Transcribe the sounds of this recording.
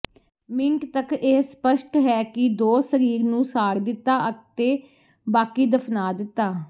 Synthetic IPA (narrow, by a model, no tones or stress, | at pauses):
mɪŋkt̪əkeːspəʃʈɦɛːkɪd̪oːsəɾiːɾnũːsaːɽd̪ɪt̪ːaːʔəkt̪eː | baːkiːd̪əpʰnaːd̪ɪt̪ːaː